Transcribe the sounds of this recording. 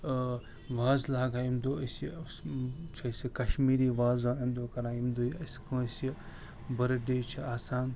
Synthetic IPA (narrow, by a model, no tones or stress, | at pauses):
ʋaːzlaːɡaimd̪oːsi | t͡ʃʰɐsikɐʃmiːɾiːʋaːzaːnɐmd̪oːkɐɾãːimd̪ojɐskʰũːsi | bɐɾɖeːt͡ʃʰiaːsaːn